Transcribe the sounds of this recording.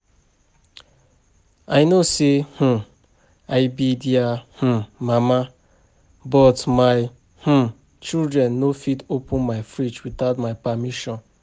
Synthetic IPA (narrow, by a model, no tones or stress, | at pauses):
aɪnoseh̩ | aɪbidiah̩mama | bɔtmaɪ | h̩ | t͡ʃildɾɛ̃nːofitopʊ̃nmaɪfɾit͡ʃwiθaʊtmaɪpamiʃɔ̃n